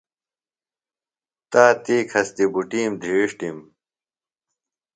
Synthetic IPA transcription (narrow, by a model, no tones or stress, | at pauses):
t̪aːt̪iːkʰɐst̪ibuʈiːmd̪ʱiːʂʈim